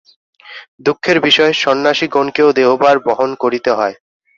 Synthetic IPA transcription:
d̪ukʰːeɾbiʃɔeʃɔnːaʃiɡonkeod̪eobaɾbɔɦonkoɾit̪eɦɔe

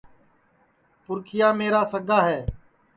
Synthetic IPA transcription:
pʊɾkʰɪjaːmeːɾaːsəɡaːɦɛː

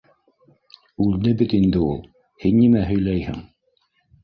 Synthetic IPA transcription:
ʉld̪ɘbɘt̪ind̪ɘulˠ | hinːimæɦɵ̆jlæjhɘ̰ŋ

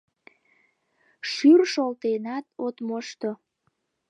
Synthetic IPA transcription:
ʃyrʃolt̪enɑt̪ot̪moʃt̪o

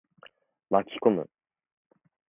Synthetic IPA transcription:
makʲi̥komɯ̰

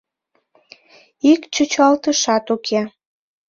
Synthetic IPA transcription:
ikt͡ɕut͡ɕɑlt̪əʃɑt̪ukʰe

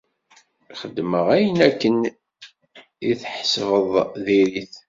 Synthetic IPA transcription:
χəd̪ːməʁæjənækːən | iθħsvəðˤðiɾiθ

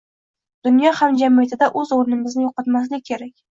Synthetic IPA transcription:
d̪̥ʊnjɒhamd͡ʒamijat̪ʰɪd̪aʔɵzoɾnɪmɪznɪjoqɑt̪maslɪkʲkʲːʰe̞ɾakʲ

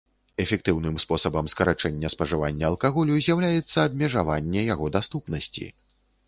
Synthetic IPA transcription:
ɛfʲɛk̚t̪ɨwnɨmspɔsɐbɐmskɐɾat͡ʂɛnʲːɐspɐʐɨvanʲːɐːlˠkaɣɔlʲuzʲjawlʲajɛt̪sːɐːbmʲɛʐavanʲːɛjaɣɔd̪ast̪upnɐsʲt͡sʲḭ

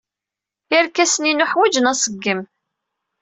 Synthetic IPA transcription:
jæɾkæsəninʊħwæd͡ʒənæsˤəɡːəm

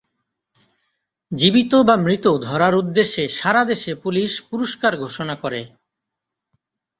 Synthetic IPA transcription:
d͡ʑibit̪obamɾit̪od̪ʱɔɾaɾud̪ːeʃːeʃaɾad̪eʃepuliʃpuɾoʃkaɾɡʱoʃonakoɾe

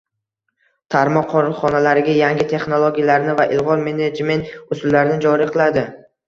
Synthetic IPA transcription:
t̪ʰaɾmɒqʰːɒɾχɒnalaɾɪɡʲajaŋɡʲɪt̪ʰe̞χnolˠoɡʲijalaɾnɪvaʔɪlˠʁɒɾme̞ned͡ʒme̞nt̪ʊsɪlːaɾɪnɪd͡ʒɒɾiqʰɨlˠad̪ɪ

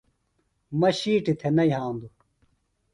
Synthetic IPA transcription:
mɐɕiːʈit̪ʰenɐiɦãːnd̪u

